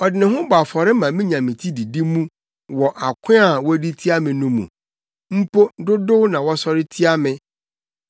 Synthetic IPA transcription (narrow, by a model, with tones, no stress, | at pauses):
ɔ˨dɪ˨nɪ̃˨ɦʊ̃˦ba˨fɔ˨ɾɪ˦mã˨mĩ˦ɲã˨mĩ˨tʰi˦di˨di˦mũ˦ | wɔ˨ʔa˨kʷʰɪ̃˦a˨wɔ˦di˦tʰi˦a˦mɪ̃˨nũ˦mṵ̃˨ | m̩˦po˦dʊ˦dʊ˦nã˨wɔ˦sɔ˦ɾɪ˦tʰi˦a˦mɪ̃˦